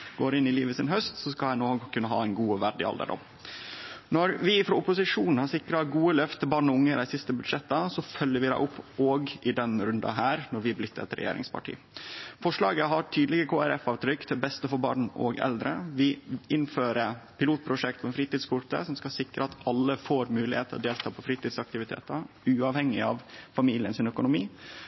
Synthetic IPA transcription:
ɡ̥oːɾɪnɪliːʋəsɪnɦœst̪sɔskɑlhæɪnoːɡkʰʉnːəɦɑ̰ːæɪnɡuːʋæɖɪ̰ɑ̰ld̪ə̰ɖɔ̰m | nɔɾʋɪfɾɑʊpʊsɪʂuːnn̩hɑɾsɪkɾɑɡuːəlœft̪ʰəbɑːɳɔʊŋːəɾæɪsɪst̪əbʉd̪ʂɛt̪ːɑsɔfœljəɾʋɪd̪æ̰ɪʔʊpʰːoːɡʔɪd̪ɛnɾʉnd̪ɑ̰ɦæːɾnɔɾʋɪblɪt̪ːəɛ̰t̪ɾɛ̰jḛːɾɪ̰ŋspʰɑ̰ʈʰḭː | fɔʂlɑːɡəɦɑɾʈʰyːd̪lɪɡəkʰoːæɾɛfɑːʋt̪ʰɾʏkːt̪ʰɪbɛst̪əfɔɾbɑ̰ːɳɔ̰ɡɛ̰ld̪ɾəʋɪʔɪnføːɾəpʰɪluːt̪̚pʰɾʊʂɛkt̪ʰɔɛnfɾiːt̪iːd̪skʰʊʈə̰sɔmskɑsɪkɾəɑt̪ɑlːəfoːɾmʉːlɪheːt̪ʰəɔ̰d̪eːlt̪ʰɑːpʰɔfɾiːt̪iːd̪sɑk̚t̪ɪʋɪt̪ʰḛːt̪ə | ʉːɑʋhɛŋːɪɑʋfɑmiːlɪənsɪnœkʊnʊmiː

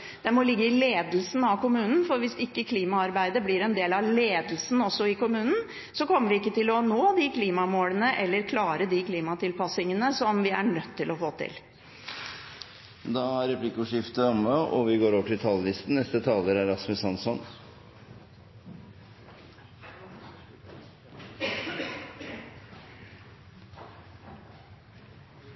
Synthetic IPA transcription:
d̪̥ɛmɔlɪɡːəɪleːd̪lsn̩ɑʋkʊmʉːnn̩fɔɾʋɪsɪkːəkʰliːmɑɑɾbæɪd̪əblɪɾɛnd̪eːlɑʋleːd̪l̩sn̩ɔsːɔɪkʊmʉːnn̩ | sɔkɔmːəʋɪɪkːət̪ɪlɔnoːd̪ikʰliːmɑmoːlənəʔɛlːəɾkʰlɑːɾəd̪ikʰliːmɑt̪ʰɪlpɑsɪŋənəsɔmʋɪæ̰ɳœt̪ːɪlɔfoːt̪ʰɪ̰l | d̪ɑːæɾɛpʰlɪkːʊʂɪft̪əɔməʔɔʋɪɡoːɾoːʋəʈɪlt̪ʰɑllɪst̪n̩ɛst̪ət̪ʰɑːləɾæɾɑsmʉsɑnsɔn

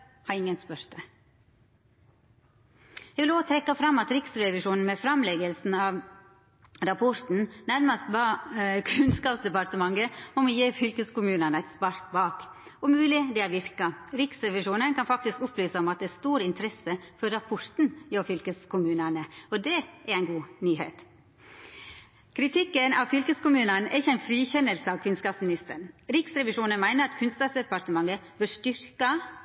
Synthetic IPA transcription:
hɑɾɪŋːənspœɾd̪ə | ɛʋɪloːt̪ʰɾɛkːɑfɾɑmːɑt̪ɾɪksɾɛʋɪʂuːnn̩mɛfɾɑmlɛɡəlsn̩ɑʋ | ɾɑpʰɔɾt̪n̩næɾməst̪bɑːkʰʉnskɑːpsd̪ɛpɑɾt̪əmɑŋɡəmɔmɔjeːfʏlkəskʊmʉːnənəæɪt̪spɑɾkbɑːk | ɔmʉːlɪd̪ɛæʋɪɾkɑɾɪksɾɛʋɪʂuːnənkʰɑnfɑk̚t̪ɪskʊplyːsəɔmɑt̪̚d̪ɛæst̪uːɾɪnt̪ʰəɾɛsːəfɔɾːɑpʰɔɾt̪n̩jofʏlkəskʰʊmʉːnənəɔd̪ɛæɾæɪnɡuːnyːhḛːt̪ | kʰɾɪt̪ʰɪkːənɑʋfʏlkəskʊmʉːnənɛ̰ɾɪçːəæɪnfɾiːçɛnːəlsəɑʋkʰʉnskɑːpsmɪnɪst̪ə̰ɳɾɪksɾɛʋɪʂuːnənmæɪnəɾɑt̪kʰʉnskɑːsd̪ɛpɑɾt̪əmɑŋːəbɪʂt̪ʏɾkɑ

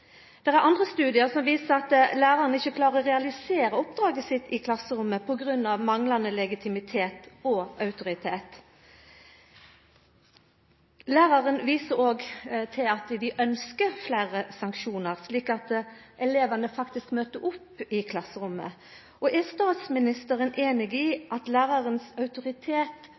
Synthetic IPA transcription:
d̪̥ɛʁæɾʔɑnd̪ʁəst̪ʉːd̪ɪəsɔmʋiːsəɾɑt̪læːɾɑʁənɪçːəkʰlɑːʁəʁɛɑlɪseːɾəɔpd̪ɾɑːɡəsɪt̪ːɪkʰlɑsːəɾʊmːəpʰɔɡʁʉnːɑʋmɑŋlɑnəlɛɡɪt̪ʰɪmɪt̪ʰeːt̪ɔʔɑʉt̪ʊɾɪt̪ʰeːt̪ | læːʁɑʁənʋiːsəɾoːɡt̪ʰɪlɑt̪d̪ɪʔœnskəflæːʁəsɑŋkʃuːnəʁsliːkɑt̪ʔɛleːʋɑnəfɑkt̪ɪskmøːt̪əʔʊpːɪkʰlɑsəɾʊmːə̰ | ɔʔɛst̪ɑːt̪smɪnɪst̪əʁənʔeːnɪɡɪʔɑt̪læːʁɑʁənsɑʉt̪ʊʁɪt̪ʰeːt̪

